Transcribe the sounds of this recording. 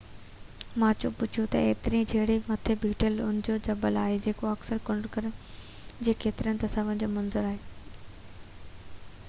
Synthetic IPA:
mãːt͡ɕo̰pʊd͡ʑʱʰut̪ɐ̰eːt̪ɪɾĩd͡ʑʱɐɦɪɽimɐt̪ʰebʱiːʈəlʊnɪ̆d͡ʑod͡ʑɐbəlaːɦed͡ʑeːkoɐksəɾkʊ̃ɳɖkɐɾ | d͡ʑeːkeːt̪ɪɾənɪ̆t̪ɐsaːʋənd͡ʑoːmɐnzʊɾaːɦeː

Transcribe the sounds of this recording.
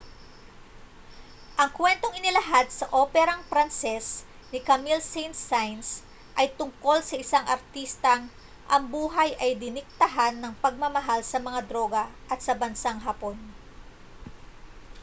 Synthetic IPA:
ʔɐŋkwɛnt̪o̞ŋɪnɪlɐɦad̪̚sɐʔoːpɛɾɐŋpɾansɛs | nɪkamilsejnsajns | ʔɐjt̪ʊŋko̞lsɐʔɪsaŋʔɐɾt̪ist̪ɐŋ | ʔɐŋbuːɦɐjʔɐjd̪ɪnɪk̚t̪ɐɦanːɐŋpɐɡ̚mɐmɐɦalsɐmɐŋad̪ɾo̞ːɡɐʔɐt̪̚sɐbɐnsaŋɦaːpo̞n

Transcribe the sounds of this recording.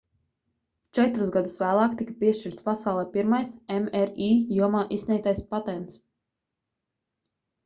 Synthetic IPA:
t͡ʃɛt̪ɾuzɡad̪usvæːlˠaːkt̪ikḁpiɛʃt͡ʃiɾt̪ʲpasawlˠɛːpiɾmajsɛmɛɾiːjuɔmaːʔisnʲɛjt̪ajspat̪ɛnt̪s

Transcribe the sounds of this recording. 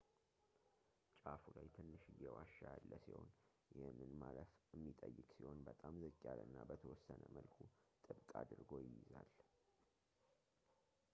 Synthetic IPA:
t͡ʃʼafulajt̪ʰɨnːɨʃɨjɛwaʃːajalːəsiho̞n | jɛmɨnmaləfɛmːit̪ʼəjːɨkʼsiho̞nbət̪ʼamzəkʼːalɨnːabət̪ʰəwɔsːənəməlkʰut̪ʼɨbkʼad̪ɨɾɡo̞jɪjɪzal

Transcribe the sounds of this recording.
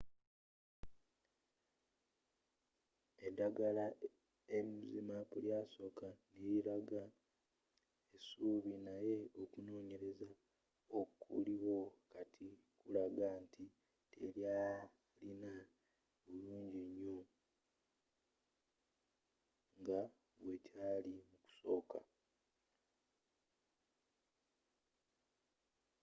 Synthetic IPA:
edaɡala | eimizimapuljaːso̞kaniiɾaɡa | esuβinaje̞o̞kuno̞ːɲe̞ɾe̞za | okʰṵliβo̞katʰi | kulaɡantʰi | telja | lina | βuluːɲɟeɲːo | ŋɡa | βwe̞caːlimuku̥so̞ːka̰

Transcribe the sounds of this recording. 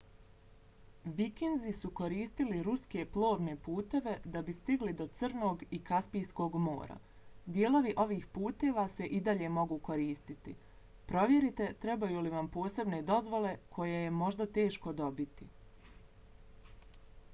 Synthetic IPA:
ʋikinzisuko̞ɾiːst̪iliɾuske̞plˠo̞ːʋne̞puːt̪e̞ʋe̞d̪abist̪iɡlid̪o̞t̪sr̩no̞ːɡikaspijsko̞ɡmo̞̰ːɾa̰ | d̪jeːlˠo̞ʋiʔo̞ʋiːxpuːt̪e̞ʋase̞ʔid̪aʎe̞mo̞ɡuːko̞ɾiːst̪it̪ḭ | pɾo̞ʋje̞ɾit̪e̞t̪ɾe̞bajuːliʋampo̞ːse̞bne̞d̪o̞zʋo̞le̞kʰo̞jejemo̞ʒd̪at̪e̞ːʃko̞d̪o̞bit̪i

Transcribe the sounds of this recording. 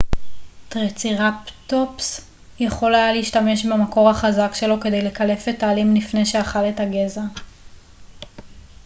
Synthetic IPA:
tʁet͡siʁaptops | jeχo̞lajaleiʃtame̞ʃbeamako̞ʁhaχazakʃe̞lo̞ke̞de̞jle̞kale̞fetaːlimlifne̞jʃeaχale̞taɡe̞za

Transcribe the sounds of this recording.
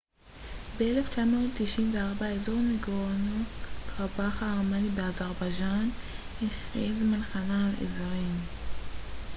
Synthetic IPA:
beeleft͡ʃamo̞ːtːiʃinveaʁbaezo̞ʁmeɡʁanukʰaʁbaχaːʁmanibeazaʁbaʒan | iχezmanχanaːlḛzaʁim

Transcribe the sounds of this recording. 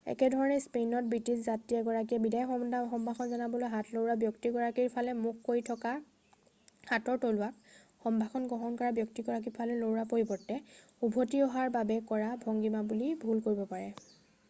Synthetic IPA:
ɛ̰kɛdʱɔɹɔnɛspenɔt̚bɹitiszatiɛɡɔɹak̬iɛbidajɔxɔmɔndaxɔmbʱaxʰɔnzanabɔlojɦatʰlowɹabjɔktiɡɔɹakiɹpʰalɛmukːoɹitʰɔka | hatɔɹtolʊwak̚ | xɔmbʱaxʰɔnɡɔɦɔnkɔɹabjɔktiɡɔɹak̬iɹpʰalɛlowɹapoɹipɔɹtːɛ | ubʱotiɔɦaɹbabɛkɔɹabʱɔŋɡimabulibʱulkoɹibɔpaɹɛ

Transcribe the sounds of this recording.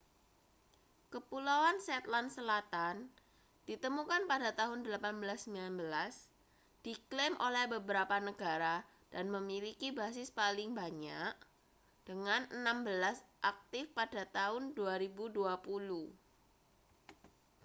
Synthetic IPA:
kəpulawansɛt̪lansəlat̪an | d̥it̪əmukanpadat̪aɦʊndəlapanbəlasːəmbilanbəlas | d̥iklemʔolɛhbəbəɾapanəɡ̥aɾa | d̥anməmilikibas̬ɪspalɪŋbaɲaʔ | d̥əŋanənambəlasʔak̚t̪ɪfpadat̪aɦʊnduaɾibuduapuluh

